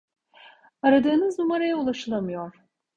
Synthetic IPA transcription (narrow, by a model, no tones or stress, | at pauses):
aɾad̪ɯːnɯznumaɾajaulˠaʃɯlˠamɯjoɾ̥